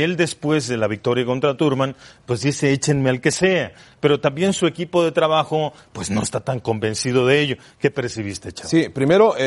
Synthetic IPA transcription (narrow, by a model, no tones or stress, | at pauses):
e̞ld̪e̞spwe̞zðe̞laβik̚t̪o̞ɾjako̞nt̪ɾat̪uɾmãnpwe̞zd̪ise̞et͡ʃe̞nme̞alke̞se̞ape̞ɾo̞t̪ambje̞nsue̞kipo̞ðe̞t̪ɾaβaxo̞ | pwe̞zno̞est̪at̪aŋko̞mbe̞nsið̞o̞ðeeʝo | ke̞pe̞ɾsiβ̞ist̪e̞t͡ʃasipɾime̞ɾo